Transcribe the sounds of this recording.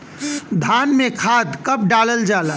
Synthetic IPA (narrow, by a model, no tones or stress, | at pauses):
d̪ʱaːnmẽkʰad̪kəp̚ɖaːləld͡ʒaːla